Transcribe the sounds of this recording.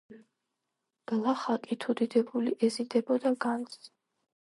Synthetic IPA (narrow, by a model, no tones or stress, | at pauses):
ɡ̥lˠaχakʼit̪ʰud̪id̪ɛbuliʔɛzid̪ɛbɔd̪aɡans